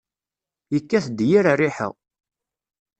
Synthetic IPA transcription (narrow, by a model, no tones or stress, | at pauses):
jəkːæθd̪jiɾarːiħə̰ʁ